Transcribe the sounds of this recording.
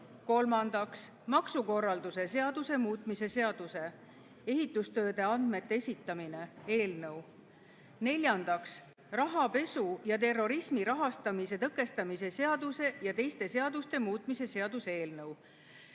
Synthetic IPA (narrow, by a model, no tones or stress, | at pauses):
ko̞lmɑnd̪̥ɑks | mɑksuko̞rːɑld̪̥use̞se̞ɑd̪̥use̞muːt̪ˑmise̞se̞ɑd̪̥use̞ | e̞ɦit̪ːˑust̪ø̞ːd̪e̞ɑnd̪̥me̞t̪ːeesʲit̪ːˑɑmine̞e̞ːlnɤw | ne̞lʲjɑnd̪̥ɑks | rɑɦɑpe̞sujɑt̪e̞rːo̞ɾismiɾɑɦɑst̪ɑmise̞t̪ɤkːˑe̞st̪ɑmise̞se̞ɑd̪̥use̞jɑt̪e̞jst̪e̞se̞ɑd̪̥ust̪e̞muːt̪ˑmise̞se̞ɑd̪usee̞ːlnɤw